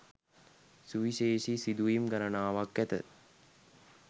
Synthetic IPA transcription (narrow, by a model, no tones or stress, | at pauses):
suʋiʃeːʃisid̪uimɡaɾənaːʋakːæt̪ə̰